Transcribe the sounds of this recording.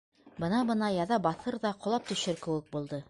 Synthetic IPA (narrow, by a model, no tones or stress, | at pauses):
bɤ̆nɑbɤ̆nɑjɑðɑbɑθɤɾðɑqŏlˠɑp̚t̪ɵ̆ɕɘɾkɘ̆wɘk̚bulˠd̪ɤ